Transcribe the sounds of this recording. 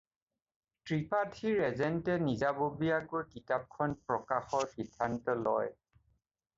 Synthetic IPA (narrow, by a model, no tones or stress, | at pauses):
tɹipatʰiɹɛzɛntɛnizabobijakojkitap̚kʰɔnpɹɔkaxɔɹkitʰantɔlɔ̰j